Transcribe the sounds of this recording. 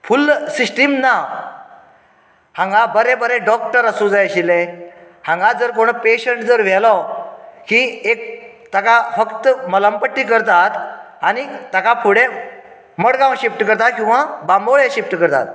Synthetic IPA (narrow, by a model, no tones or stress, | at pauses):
fulsisʈimna | hãŋɡabəɾebəɾẽɖɔk̚ʈəɾəsud͡zajəɕile | hãŋɡad͡zəɾkoɽ̃peɕəɳʈd͡zəɾʋ̤ɛlɔ | kiek̚ | t̪akafəkt̪əmələmpəʈːikəɾt̪at̪ | anit̪akapʰuɽe | məɽɡãwɕifʈkəɾt̪at̪kĩw̃ʋabãmboɭeɕipʈkəɾt̪a̰t̪̚